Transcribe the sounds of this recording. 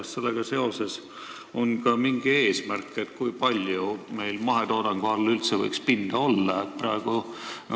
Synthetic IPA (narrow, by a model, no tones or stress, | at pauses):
sse̞lːeɡ̥ɑse̞ose̞s | o̞nkɑmiŋɡ̥ie̞ːsmærkːˑet̪kujpɑlʲjume̞jlmɑɦet̪o̞ːd̪̥ɑŋɡ̥uɑlelylt̪sevɤjkspind̪̥ɑo̞lːɑet̪̚prɑeɡ̥u